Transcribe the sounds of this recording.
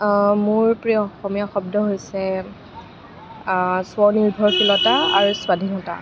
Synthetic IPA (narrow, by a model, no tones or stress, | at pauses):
mʊɹpɹiɔxɔmijaxɔbdɔɦojsɛ | swɔniɹbʱɔɹxilɔtaaɹuswadʱinɔta̰